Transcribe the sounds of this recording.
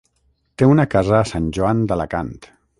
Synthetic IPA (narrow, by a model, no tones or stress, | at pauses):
t̪eunəkazəːsanʲʒuand̪əlaka̰nt̪